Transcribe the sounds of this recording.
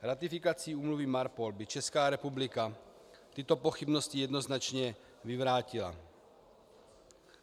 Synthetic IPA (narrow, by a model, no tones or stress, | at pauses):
ɾat̪ifikat͡siːuːmluvimaɾpolbit͡ʃɛskaːɾɛpublika | t̪it̪opoxibnoscijɛd̪noznat͡ʃɲɛ | vivɾaːcila̰